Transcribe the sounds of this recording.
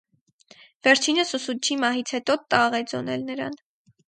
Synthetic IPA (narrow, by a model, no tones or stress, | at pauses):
vɛɾt͡ʃʰinəsusut͡ʃʰimɑɦit͡sʰhɛt̪ɔt̪ɑʁɛd͡zɔnɛ̰lnəɾɑ̰n